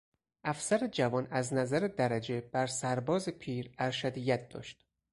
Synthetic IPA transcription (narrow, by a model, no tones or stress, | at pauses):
ʔæfsæɾed͡ʒævɒːnæznæzæɾed̪æɾæd͡ʒe̞b̥æɾsæɾbɒːzepʰiːɾæɾʃæd̪ijæt̪̚d̪ɒ̰ːʃt̪